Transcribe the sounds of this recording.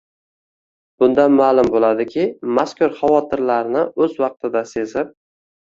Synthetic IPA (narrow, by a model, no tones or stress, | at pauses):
b̥ʊnd̪amaːlˠʊmbolad̪ɪkʲʰɪmaskʊɾχavɒt̪ʰɪɾlaɾnɪɵzwɑq̚t̪ʰɪd̪ase̞zɪp̚